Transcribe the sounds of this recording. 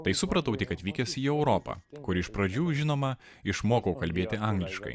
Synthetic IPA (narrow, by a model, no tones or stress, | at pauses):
t̪ɐɪsʊpɾɐt̪ɐʊt̪ʲɪkɐt̪ʲʋʲiːkʲɛsʲiːɛʊɾɔːpɐ̰kʊɾɪʃpɾɐd͡ʒʲuːʒʲɪnoːmɐ | ɪʃmoːkɐʊkɐlʲbʲeːt̪ʲɪɑˑŋɡlʲɪʃkɐ̰ɪ